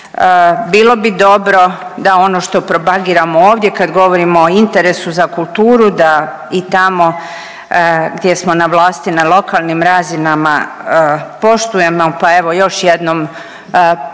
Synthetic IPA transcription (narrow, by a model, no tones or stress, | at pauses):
biːlo̞bid̪o̞bɾo̞d̪ao̞no̞ʃt̪o̞pɾo̞paɡiːɾamooːʋd̪je̞kad̪ɡo̞ʋo̞ɾimoːint̪e̞ɾe̞suzakulˠt̪uːɾud̪a | it̪amo̞ | ɡd̪je̞smo̞naʋlˠaːst̪inalˠo̞kalˠnimɾazinama̰ | po̞ʃt̪uje̞mopae̞ʋo̞jo̞ʃjed̪nom